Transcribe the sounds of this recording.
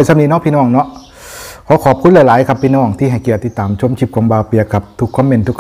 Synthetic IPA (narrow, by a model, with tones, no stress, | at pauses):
jsʰa˧mni˧˩nɔː˧˥˨pʰiː˧nɔː˧˩˨ŋnɔ˧˥˩ʔ | kʰɔː˨˦kʰɔː˨˩p̚kʰu˧˥t̪̚la˧˩laː˨˦jkʰa˧˩pʰːiː˧nɔː˧˥˩ŋt̪ʰiː˧˩ɦa˧˩jki˨˩˨t̪ːi˧t̪ːaː˨mt͡ɕʰo˧˥˩mt͡ɕʰi˧˩p̚ka˧˨mbaː˧wpi˧˩˧ka˧˩p̚t̪ʰu˧˥kʰːɔː˧˥˨mːe˧˩nt̪ʰu˧kʰ